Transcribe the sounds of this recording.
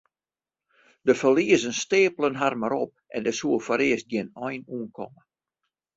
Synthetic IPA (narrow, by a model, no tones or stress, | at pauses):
dəfəliəzənsteːpələnɦarmaɾɔp̚ʔɛndəsuəfɔɾɪəsdjɛnɔjnuənkʰɔ̰mə